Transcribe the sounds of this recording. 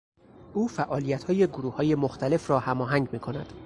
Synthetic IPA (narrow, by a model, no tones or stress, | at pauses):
ʔuːfæʔɒːlijæt̪hɒːje̞ɡoɾuːhɒːje̞moxt̪ʰæle̞fɾɒːhæmɒːɦæŋɟmiːkʰo̞næ̰d̪̥